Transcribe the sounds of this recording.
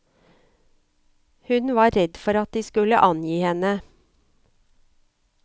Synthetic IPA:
hʉnʋɑːɾɛd̪fɔɾɑt̪̚d̪iːskʉləʔɑnjiːhɛnə

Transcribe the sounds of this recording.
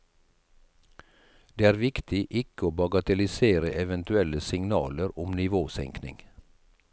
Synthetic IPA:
d̪̥eːæːɾʋɪkt̪ɪʔɪkəoːbɑɡɑt̪ɛlɪseːɾəʔɛʋɛnt̪ʉɛləsɪŋnɑːləɾʊmnɪʋoːsɛ̰ŋknɪ̰ŋ

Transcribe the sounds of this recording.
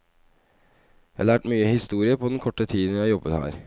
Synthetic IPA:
jæhɑlæːʈmyːəhɪst̪uːɾɪəpʰɔd̪ɛnkʰɔʈːət̪ʰiːd̪n̩jæɪhɑɾjɔbət̪hæ̰ːɾ

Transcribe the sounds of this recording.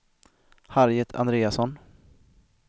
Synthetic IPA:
haɾjət̪ʰa̰nd̪ɾeːasɔn

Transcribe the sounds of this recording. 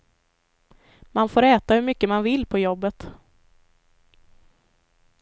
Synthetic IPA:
manfoːɾɛːt̪ahɵɾmʏkːəmanvɪlːpʰɔjɔbːət̪

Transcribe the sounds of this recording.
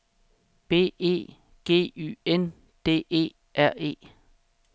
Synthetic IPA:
b̥e̝̰ːe̝̰ː | ɡ̥e̝̰ːy̰ːen | d̥e̝̰ːe̝̰ː | ʔæɐ̰e̝̰ː

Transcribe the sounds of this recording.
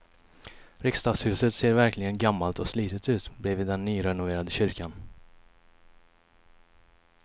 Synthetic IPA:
ɾɪkst̪ɑːɡshʉ̟ːsət̪seːɾvæɾklɪɡənɡamːalt̪ɔsliːt̪ət̪ʉ̟ːt̪bɾɛːvɪd̪ːɛnːyːɾɛnʊveːɾad̪əɕʏɾkan

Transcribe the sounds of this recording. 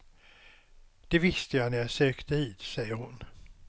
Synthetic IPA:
d̪̥ɛvɪst̪əjajnæɾjɑsøːkt̪əiːd̪̥sɛjːəɾhʊn

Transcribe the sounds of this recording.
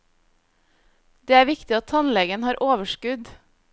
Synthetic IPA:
d̪̥eːæːɾʋɪkt̪ɪɑt̪ʰɑnlɛɡənhɑːɾʔoːʋəʃkʉd̪

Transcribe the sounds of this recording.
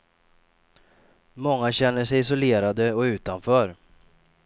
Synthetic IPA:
mɔŋːaɕɛn̪ːəʂɛjɪs̬ʊleːɾad̪əɔʉ̟ːt̪anfœːɾ

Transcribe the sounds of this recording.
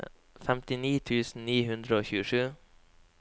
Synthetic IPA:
fɛmt̪ɪniːt̪ʰʉːsn̩niːhʉnd̪ɾəoːçʉːəʂʉː

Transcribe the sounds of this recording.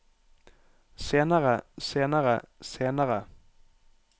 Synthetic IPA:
seːnaʁəseːnaʁəseːnaʁə

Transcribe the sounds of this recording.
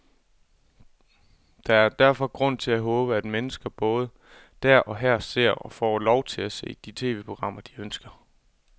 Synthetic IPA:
d̥ɑ̈æɐd̥æɐfɒ̽ɡ̥ʁɔ̽n̰t͡sʰe̝æɦɔ̽ːb̥əæd̥menəsɡ̥ɐb̥ɔ̽ːð̞̩ˠ | d̥æɐ̰ʔɒ̽ɦæɐ̰se̝ɐ̰ɒ̽fɒ̰ːlɒʊt͡sʰe̝læse̝̰ːd̥it͡sʰe̝̰ːʋe̝̰ːpʰo̝ɡ̥ʁɑ̈m̰ɐd̥iønsɡ̥ɐ

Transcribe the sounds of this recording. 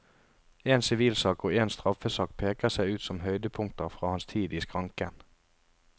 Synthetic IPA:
eːnsɪʋiːlsɑːkoːeːnst̪ʁɑfəsɑːk̚pʰeːkəsæɪʉːt̪sɔmɦœʏd̪əpʰʊŋk̚t̪əʁfʁɑːhɑnst̪ʰiːd̪iːskʰʁɑŋkən

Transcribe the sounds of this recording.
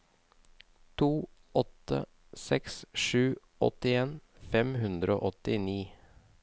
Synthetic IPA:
t̪ʰuːʔɔt̪ə̰ | sɛksʃʉː | ʔɔ̰t̪ɪeːnfɛmhʉnd̪ɾəo̰ːʔɔt̪ɪniː

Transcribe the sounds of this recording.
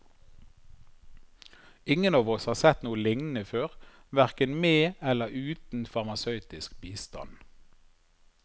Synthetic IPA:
ɪŋənɑːʋɔshɑːsɛt̪nuːəlɪŋnəføːʁʋæʁkənmeːɛləʁʉːt̪n̩fɑʁmɑsœʉt̪ɪskbiːst̪ɑ̰n

